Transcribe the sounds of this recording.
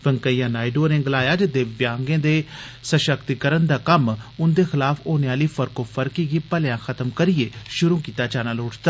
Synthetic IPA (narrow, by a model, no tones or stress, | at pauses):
ʋəŋkəijãːnaːiɖoːnẽːɡlaːjaːd͡ʒɪd̪eːʋjãːŋɡẽːd̪eːsəʃəkt̪ikəɾənd̪aːkəmʊnd̪eːxɪlaːfʰoːneaːliːfəɾkoːfʰəɾkiːɡiːpəljãːxʰət̪əmkəɾɪeːʃʊɾuːkiːt̪aːt͡ʃaːnaːloːʈʰt̪aː